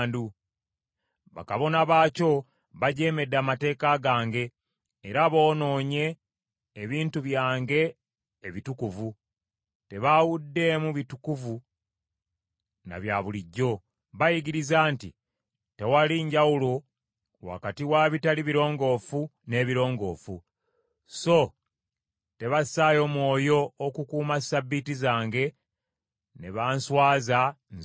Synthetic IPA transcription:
ndu | βa̰kaβo̞naβaːco̞ | βaɟe̞ːme̞dːamate̞ːkaɡaːŋɡe̞ː | ɾaβo̞ːno̞ːɲe̞ː | βiːntuβjaːŋɡe̞ː | βitukuvu | te̞βawudːe̞muβitukuvu | na̰βjaːβuliɟːo̞ | βajiɡiɾizaːnti | te̞waliɲɟawulo̞ | wa̰katiwaβitaliβiɾo̞ːŋɡo̞ːfune̞ːβiɾo̞ːŋɡo̞ːfu | so̞ | te̞βasaːjo̞mwo̞ːjo̞ːkukuːmasabːitizaːŋɡe̞ | ne̞βaːnswaːza

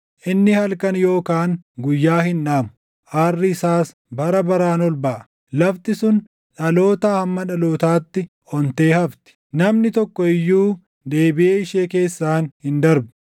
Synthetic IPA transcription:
ʔɪnːɪhɐlkɐnjo̞ːkaːŋɡʊjːaːhɪnᶑaːmʊ | ʔaːrːɪɪsaːs | bɐɾɐbɐɾaːnɔlbɐʔɐ̥ | lɐft̪ɪsʊn | ᶑɐlo̞ːt̪aːhɐmːɐᶑɐloːt̪aːt̪ːɪ | ɔnt̪e̞ːhɐft̪ɪ̥nɐmnɪt̪ɔkːɔɪjːuː | d̪e̞ːbɪʔeːɪʃe̞ːke̞ːsːaːnhɪnd̪ɐɾbʊ̥

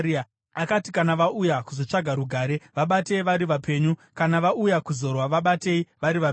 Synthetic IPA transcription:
akatikanaʋaʔujakuzo̞t͡ʂaɡʱaɾuɡʱaːɾe̞ʋaɓate̞iʋaɾiʋape̞ːɲukanaʋaujakuzo̞rwaʋaɓate̞iʋaɾiʋa

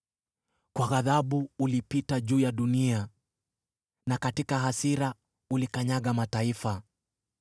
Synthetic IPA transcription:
kwaɣaðaɓuulipitaʄuːjaɗunia | nakatikaɦasiɾa | ulikaɲaɠamataifa

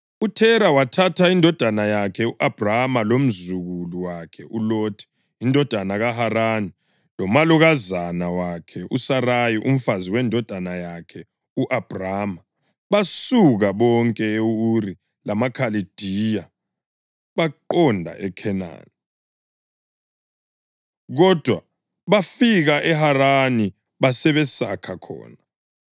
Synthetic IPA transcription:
utʰɛɾawatʰatʰaindʱɔd̥ʱanajakʰɛuʔab̥ʱramalom̩zuɣuluwakʰɛʔuloːtʰi̥ | indʱɔd̥ʱanaɣaɦaɾani | lɔmaluɣazanawakʰɛʔusarajiʔum̩faziwɛndʱɔd̥ʱanajakʰɛ | uʔab̥ʱraːma | βasuɣaɓɔŋkʼɛeuri | lamakʰalid̥ʱija | βaǃɔndʱa̰ʔɛkʰɛna̰ːni | ɣɔd̥ʱwa | βafiɣaʔɛharani | βasɛβɛsakʰakʰɔ̰ːna

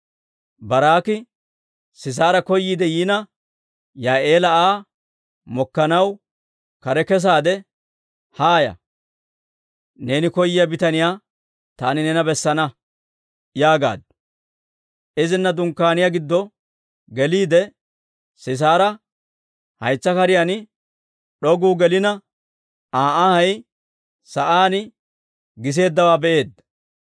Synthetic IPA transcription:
bɐɾaːkɪ | sɪs̬aːɾɐkɔjːiːd̪ɛjiːnɐ | jaːʔeːlɐaː | mɔkːɐnɐw | kɐɾɛkɛs̬aːd̪ɛ | haːjɐ̰ | ne̞ːnɪkɔjːɪjɐbɪt̪ɐnɪjaː | t̪aːnɪnɛnɐbɛsːɐnɐ | jaːɡa̰ːd̪̚ | ʔɪzɪnːɐd̪ʊŋkːaːnɪjaːɡɪd̪ːɔ | ɡɛliːd̪ɛ | sɪs̬aːɾɐ | hɐ̰jt͡sːɐkɐɾɪjanɪ | ɗɔɡuːɡɛlɪnɐ | aːʔahɐj | sɐʔaːnɪ | ɡɪs̬e̞ːd̪ːɐwaːbɛʔe̞ːd̪ɐ

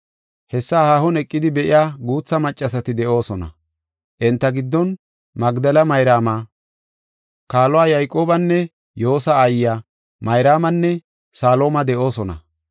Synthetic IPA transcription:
hɛsːaːhaːhɔnɛkʼːɪd̪ɪbɛʔɪjaːɡuːt͡sːɐmɐt͡ʃʼːɐsɐt̪ɪd̪ɛʔo̞ːsɔnɐ̰ | ʔɛnt̪ːɐɡɪd̪ːɔn | mɐɡd̪ɐlɐmɐjɾaːmaː | kaːlɔwaːjɐjkʼo̞ːbɐnːɛ | jo̞ːsɐːjːa | mɐjɾaːmɐnːɛ | saːlo̞ːmɐd̪ɛʔo̞ːsɔnɐ̰

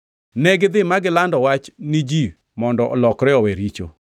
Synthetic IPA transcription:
nɛɡɪd̪ɪmaɡɪlandɔwat͡ʃnɪd͡ʒi | mɔndɔʔɔ̰lɔkɾɛɔweɾit͡ʃo̰

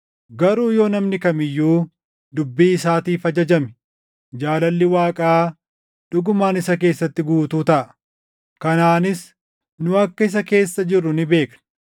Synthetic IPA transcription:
ɡɐɾuːjoːnɐmnɪkɐmɪjːuː | d̪ʊbːiːɪsaːt̪iːfɐd͡ʒɐd͡ʒɐmɪ̥ | d͡ʒaːlɐlːɪwaːkʼaaː | ᶑʊɡʊmaːnɪsɐk̬e̞ːsːɐt̪ːɪɡuːt̪uːt̪ɐʔɐ | kɐnaːnɪs | nʊɐkːɐɪs̬ɐke̞ːsːɐd͡ʒɪrːʊnɪbe̞ːknɐ̥

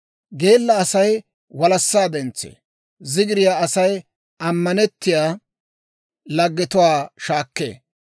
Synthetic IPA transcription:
ɡe̞ːlːɐːsɐj | wɐlɐsːaːd̪ɛnt͡sːḛː | zɪɡɪɾɪjaːɐsɐj | ɐmːɐnɛt̪ːɪjaː | lɐɡːɛt̪ʊwaːʃaːkːḛː

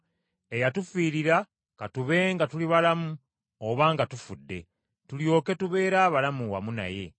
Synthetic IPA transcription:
e̞jatufiːɾiɾa | katuβe̞ːŋɡatuliβalamu | oβaːŋɡatufudːe̞̰ | tuljo̞ːke̞tuβe̞ːɾaːβalamuwa̰muna̰je̞̰

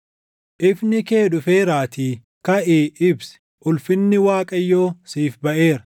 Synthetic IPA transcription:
ʔɪfnɪke̞ːᶑʊfe̞ːɾaːt̪iː | kɐʔiːʔɪbsɛ̥ | ʔʊlfɪnːɪwaːkʼɐjːo̞ːsiːfbɐʔe̞ːɾɐ̥

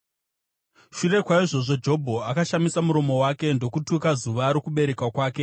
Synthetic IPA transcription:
ʃure̞kwaiʐo̞ʐod͡ʒo̞bʱo̞akaʃamisamuɾo̞mo̞wake̞ndo̞kutukazuʋaɾokuɓe̞ɾe̞kwakwaːke̞

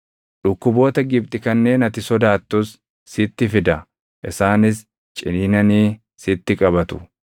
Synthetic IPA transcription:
ᶑʊkːʊbo̞ːt̪ɐɡɪb̚t̪ʼɪkɐnːe̞ːnɐt̪ɪsɔd̪aːt̪ːʊsː | ɪt̪ːɪfɪd̪ɐ | ʔɪsaːnɪs | t͡ʃʼɪninɐniː | sɪt̪ːɪkʼɐbɐt̪ʊ̥̰

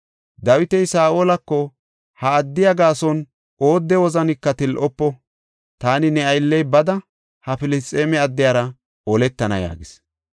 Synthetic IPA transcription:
d̪ɐwɪt̪ɛjsaːʔoːlɐkːɔ | hɐːd̪ːɪjɐɡaːsɔn | ʔo̞ːd̪ːɛwɔzɐnɪkːɐt̪ɪlʔɔpːɔ | t̪aːnɪnɛɐjlːɛjbɐd̪ɐ | hɐfɪlɪt͡sʼːeːmɛɐd̪ːɪjaːɾɐ | ɔlɛt̪ːɐnɐ̰ja̰ːɡɪs

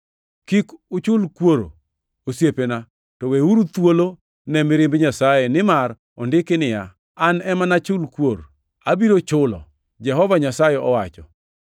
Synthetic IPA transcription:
kikʊt͡ʃʊlkwoɾo̰ | osjepena | tɔweuɾut̪wolo | nɛmɪɾɪmbɲasajɛnɪmar | ɔndɪkɪnɪja | anɛmanat͡ʃʊlkwoɾ | abiɾot͡ʃʊlɔ̰ | d͡ʒɛɦɔvaɲasajɛɔwat͡ʃɔ̰

